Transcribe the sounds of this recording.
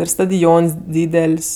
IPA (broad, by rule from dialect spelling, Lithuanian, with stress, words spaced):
ˈɪr stɐdʲɪˈoːns ˈdʲiːdʲɛlʲsʲ